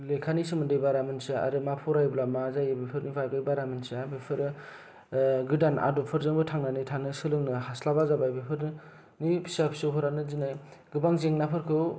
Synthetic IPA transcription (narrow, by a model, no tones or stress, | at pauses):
lekʰanisimɯndɯjbaɾamɯnsɯa̰ɾɯmapʰɔɾajblamazajɯbepʰɯɾnivajbajbaɾamɯnsabepʰɯɾɯ | ɡɯdana̰dopʰɯɾzɯŋbɯtʰaŋnanɯjtʰanɯsɯlɯŋnɯhaslaβazabajbepʰɯɾnɯ | nipʰi̥sapʰi̥sɯwɦʰɯɾanɯzinaj | ɡɯbaŋzeŋnapʰɯɾkʰɯw